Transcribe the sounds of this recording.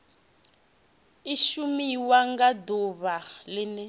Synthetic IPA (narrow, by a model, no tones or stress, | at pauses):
iʃumiwaŋɡad̪uβalɪnɛ